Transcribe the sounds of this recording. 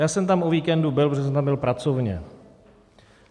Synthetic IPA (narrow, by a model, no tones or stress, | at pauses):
jaːsɛmt̪amʔoviːkɛndubɪlpɾoʒɛs̬ɛmt̪ambɪlpɾat͡sovɲɛ̰